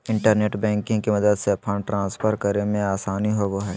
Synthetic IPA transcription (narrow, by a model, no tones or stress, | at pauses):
ɪ̃ɳʈəɾneːʈbɛ̃ːŋkɪ̃ŋɡkemɐd̪əd̪seɐpʰəːɳʈɾãːspʰəɾkəɾemẽaːsaːniɦoʋoɦɛː